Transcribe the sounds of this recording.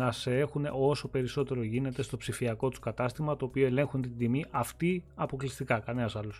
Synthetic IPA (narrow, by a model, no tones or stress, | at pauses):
nɐsee̞xune̞̰o̞so̞pe̞ɾiso̞t̪e̞ɾo̞ʝine̞t̪e̞st̪o̞psifiɐko̞t̪u̥skɐt̪ɐst̪imɐt̪o̞ːpioe̞le̞ŋxunt̪ind̪imiʔɐft̪iɐpo̞klist̪ikɐkɐnenɐsɐlus